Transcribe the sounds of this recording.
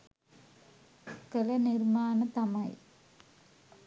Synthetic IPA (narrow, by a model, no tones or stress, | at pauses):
kɐlɐnɪɾmaːnɐt̪ɐmɐɪ